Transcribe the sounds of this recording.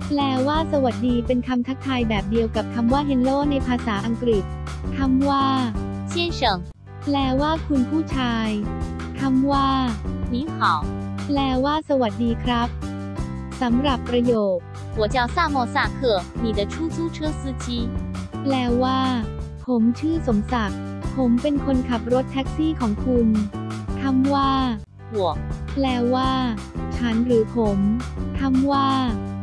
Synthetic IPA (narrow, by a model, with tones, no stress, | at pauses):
lɛː˧˩waː˥˩sa˧wa˨˩t̪̚diː˧pe˧nkʰa˧mt̪ʰa˦˥t̪ʰaː˧jbɛː˨˩p̚di˧əwka˨˩p̚kʰa˧mwaː˥˩ɦe˧˥nloː˥˩k̚na˧jpʰaː˧saː˩˦ʔa˧ŋkɾi˨˩t̪̚ | kʰa˧˥˩mwaː˥˩t͡ɕɛ˥˩nʂɤ˨˩˦ŋ | plɛː˧˩waː˥˩kʰu˧npʰuː˥˩t͡ɕʰaː˧j | kʰa˧˥˩mwaː˥˩mi˨˦ŋkʰɔː˨˦ŋlɛː˧˩waː˥˩sa˧wa˨˩t̪̚diː˧kʰɾa˦˥p̚ | sa˩˦mɾa˨˩pːɾa˧joː˨˩t̚ | hu˨˩˦t͡ɕa˧˩wsaː˥˩mɔ˧˩saː˧˩kʰɤ˨˩miː˨˩d̪ə˧˩t͡ɕʰu˥˩sʰu˥˩t͡ɕʰɯ˦˥sɯː˦˥t͡ɕʰi˦˥ | plɛː˧˩waː˥˩ | pʰo˩˦mt͡ɕʰɯː˥˩so˩˦msa˨˩k̚ | pʰo˨˩˦mpe˧nkʰo˧nkʰa˨˩p̚ɾo˦˥t̪ʰːɛ˦˥k̚siː˥˩kʰɔː˩˦ŋkʰu˧nt̪ʰa˧˥mwaː˥˩ | wu˨˩˦plɛː˧˩waː˥˩t͡ɕʰa˦˥nɾɯː˩˦pʰo˩˦mt̪ʰa˧˥mwaː˥˩